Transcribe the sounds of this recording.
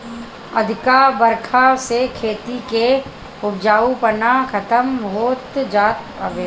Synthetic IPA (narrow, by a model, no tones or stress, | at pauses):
ɐd̪ʱɪkaːbəɾkʰasekʰeːt̪ike | ʊbd͡ʒaːupənakʰɐt̪əmɦoːt̪d͡ʒaːt̪̚ | əʋeː